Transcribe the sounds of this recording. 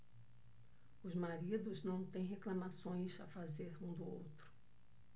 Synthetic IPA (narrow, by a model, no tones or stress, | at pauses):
ʊzmaɾid̪ʊznɐ̃w̃t̪ẽj̃ɦeklɐmasõj̃sa̰fazeɾũd̪ʊo̰wt̪ɾʊ̥